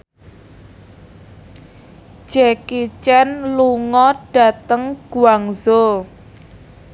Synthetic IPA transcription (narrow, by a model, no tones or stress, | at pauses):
d͡ʒ̥ɛkit͡ʃɛnluŋɔɖ̥a̤t̪əŋɡ̥uaŋzo